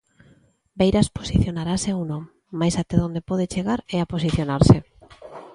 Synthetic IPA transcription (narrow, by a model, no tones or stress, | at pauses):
bejɾasposiθjonaɾaseownõŋː | ajsat̪eðond̪epoð̞et͡ʃeɣaɾeaposiθjonaɾse